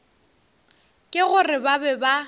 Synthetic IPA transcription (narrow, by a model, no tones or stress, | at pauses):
kʼɪɣʊrɪbabɛba